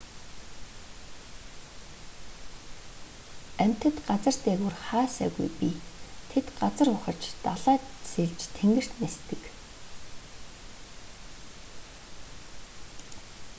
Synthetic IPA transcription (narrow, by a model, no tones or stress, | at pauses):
æm̥ʲt̪ɘ̆t̪ɢat͡sə̆r̥t̪eɣuːrχaːsæ̰ːɣṵjpit̪ʰet̪ɢat͡sə̆rʊχə̆rt͡ɕt̪aɮaːseɮt͡ɕt̪ʰeŋɡɘ̆r̥t̪nest̪ɘ̆k